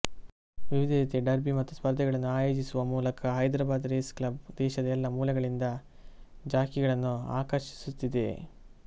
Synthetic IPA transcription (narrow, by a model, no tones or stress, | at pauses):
ʋiʋid̪ʱiit̪eɖɐɾbimɐt̪ːuspɐɾd̪ʱɛɡɐɭɐnːuaːjo̞ːd͡ʒisuʋɐmuːlɐkɐɦɐjd̪ɾaːbaːd̪ɾeːsklɐb̚d̪ɛːʃɐd̪ɐɛlːɐmuːlɐɡɐɭind̪ɐ | d͡ʒaːkiɡɐɭɐnːua̰ːkɐɾʃi̥sut̪ːid̪e̞̰